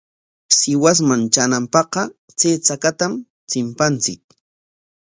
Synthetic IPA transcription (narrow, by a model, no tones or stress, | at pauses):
sɪwas̬mant͡ʃanampɑqɑ | t͡seːt͡sakat̪am | t͡sɪmpant͡sɪk̚